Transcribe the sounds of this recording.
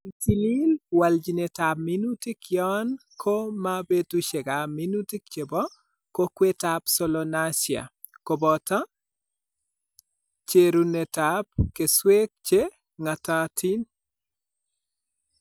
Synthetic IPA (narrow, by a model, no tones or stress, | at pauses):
itililwald͡ʒinetaminutikjɔnkʰomabetuʃɛɡaminutikt͡ʃebɔ | kokwetapsɔlɔnasja̰ | kobɔta | t͡ʃeɾunetap̚keswek̚t͡ʃe | ŋatatʰin